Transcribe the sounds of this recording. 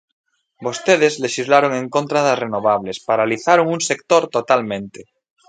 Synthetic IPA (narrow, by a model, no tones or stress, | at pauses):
bost̪eð̞ezleʃizlaɾoŋẽŋkont̪ɾaðazrenoβ̞aβlespaɾaliθaɾoŋuŋsek̚t̪oɾt̪ot̪almẽnt̪e